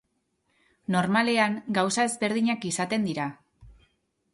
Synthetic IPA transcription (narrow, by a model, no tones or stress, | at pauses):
no̞ɾmale̞aŋɡawsae̞zβe̞ɾð̞iɲakisat̪e̞nd̪iɾa